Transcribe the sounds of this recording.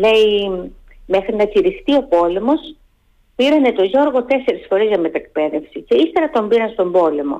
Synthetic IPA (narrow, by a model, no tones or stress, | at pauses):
le̞i | me̞xɾinɐciɾixt̪io̞po̞le̞mo̞s | piɾɐne̞t̪o̞ʝo̞ɾɣo̞t̪e̞se̞ɾisfo̞ɾizʝɐmet̪ɐek̚pe̞ðefsice̞ist̪e̞ɾɐt̪o̞mbiɾɐnst̪o̞mbo̞le̞mo̞̰